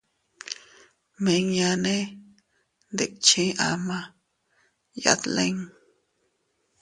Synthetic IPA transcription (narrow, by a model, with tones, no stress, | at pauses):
me˨ŋja˧nẽ˦ | nd̪e˨ʔt͡ʃʰi˦ʔa˧ma˦ | ja̰˧t̪le˦ŋ